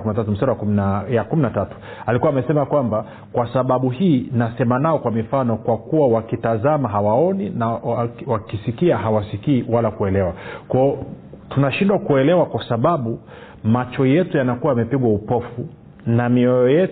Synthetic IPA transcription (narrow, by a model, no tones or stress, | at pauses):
kmnatat̬um̩saɾawjakuminatatu̥ | alikuwaːmɛsɛmakwamba | kwasaɓaɓuhiːnasɛmanaɔkwamifanɔkwakuwawakitazamaɦawaɔninawakisikiaɦawasikiːwalakuɛlɛwakɔː | tunaʃindwakuɛlɛwakwasaɓaɓu | mat͡ʃɔjɛtujanakuwaːmɛpiɠwaupɔfu | namiɔjɔjɛ